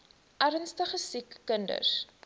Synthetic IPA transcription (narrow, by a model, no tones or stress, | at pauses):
ʔæɾənstəχəsikːəndə̰s